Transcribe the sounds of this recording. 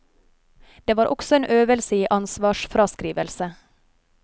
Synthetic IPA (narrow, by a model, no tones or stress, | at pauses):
d̪̥eːʋɑːɾʔɔksɔeːnʔøːʋəlsɪʔɑnsʋɑːʃfɾɑːskɾiːʋəlsə